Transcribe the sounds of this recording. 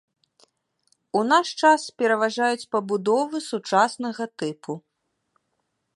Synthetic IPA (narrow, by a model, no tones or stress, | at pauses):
unaʂt͡ʂaspʲɛɾɐvaʐajut͡sʲpɐbud̪ɔvɨsut͡ʂasnɐɣɐt̪ɨpʰu